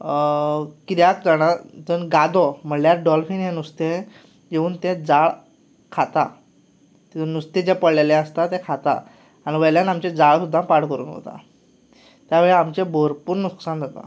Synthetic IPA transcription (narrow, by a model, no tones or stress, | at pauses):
kiɾjak̚d͡zəɽ̃ad͡zənɡad̪ɔm̤əɳljaɾɖɔlfinɦenust̪ẽ | jeuːnt̪ẽd͡zaɭ | kʰat̪a̰ | t̪inust̪ẽd͡ʑɛpəɽleleəst̪at̪ẽkʰat̪a̰ː | ñiʋəjljanamt͡ɕed͡zaɭsud̪ʱːapaɽkəɾṵːnɦo̰t̪a̰ | t̪jaʋeɭeamt͡ɕeboɾpuːɾnuksand͡zat̪a̰